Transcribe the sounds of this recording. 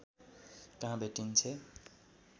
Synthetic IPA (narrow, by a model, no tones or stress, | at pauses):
kʌɦãbeʈint͡sʰe